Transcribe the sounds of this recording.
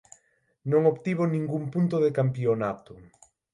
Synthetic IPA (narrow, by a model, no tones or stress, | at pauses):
nõŋoβt̪iβ̞onĩŋɡumpunt̪oðekampionat̪ʊ